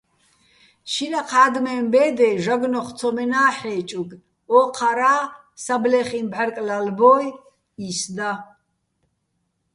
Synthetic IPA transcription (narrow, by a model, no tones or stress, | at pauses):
ʃinaqʰaːd̪mɛmbɛːd̪ɛʒaɡnɔχt͡sʰɔmɛnaːħɛːt͡ʃʼuɡ | ɔːqʰaɾaː | sablɛχimbʕaɾkʼlalbɔːj | isd̪a